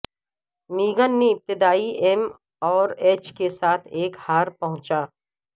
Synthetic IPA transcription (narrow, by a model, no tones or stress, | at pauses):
miːɡənːeɪp̚t̪ɪd̪aːiʔɛm | ɔːɾeːt͡ʃkesaːt̪ʰeːkhaːɾpɐɦʊ̃t͡ʃaː